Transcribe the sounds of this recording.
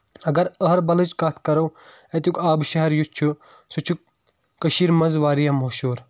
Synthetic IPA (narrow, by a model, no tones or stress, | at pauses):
ɐɡɐɾəɦɐɾbɐlɨd͡ʒkat̪̚ʰkɐɾɐw | et̪jukaːbʃɐɦɛɾjut͡ʃʰu | sut͡ʃʰu | kɐʃiːɾmɐnzʋaːɾijamɐʃuːɾ